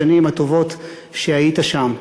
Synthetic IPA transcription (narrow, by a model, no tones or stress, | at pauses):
animhato̞vo̞t̪ | ʃeajitaʃam